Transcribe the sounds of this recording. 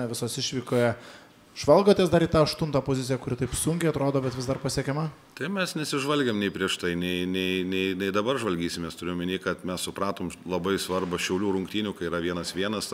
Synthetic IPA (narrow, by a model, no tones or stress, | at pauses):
ʋʲɪsoːsɪʃʲʋʲiːkoːjɛ | ʒʋɐlˠɡoːt̪ʲeːsd̪ɐɾiːt̪ɑːɐʃt̪ʊnt̪ɑːpoːzʲɪt̪sʲɪjɛkʊɾʲɪt̪ɐɪpsʊŋʲkʲɛɪɐt̪ɾoːd̪oːbʲɛt̪ʋʲɪzd̪ɐrpɐsʲiɛkʲɛmɐ | t̪ɐɪmʲɛsnʲɛsʲɪʒʋɐlʲɡʲɛmnʲɛɪpʲɾʲiɛʃt̪ɐɪnʲɛɪnʲɛɪnʲɛɪnʲɛɪd̪ɐbɐrʒʋɐlʲɡʲiːsʲɪmʲeːst̪ʊɾɪjomʲɪnʲiːkɐt̪mʲɛssʊpɾɑːt̪oːmlˠɐbɐɪsʋɐrbɐʃʲɛʊlʲuːɾʊŋkt̪ʲiːnʲuːkɐɪiːɾɐʋʲiɛnɐsʋʲiɛnɐs